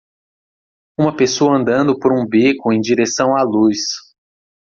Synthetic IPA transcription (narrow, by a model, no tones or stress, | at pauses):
ũmɐpesoɐɐ̃nd̪ɐ̃nd̪ʊpoɾũbikʊẽj̃d͡ʒiɾesɐ̃w̃alus